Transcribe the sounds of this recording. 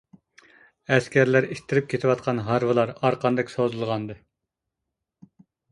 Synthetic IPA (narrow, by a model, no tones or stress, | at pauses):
ɛskʲʰæɾlæɾiʃt̪ʰːɪɾɪp̚kʰʲet̪ʰɪwɑt̪̚qʰɑnɦɑɾvɨlˠɑɾɑɾqʰɑnd̪ɨkʲsozulˠʁɑnd̪ɨ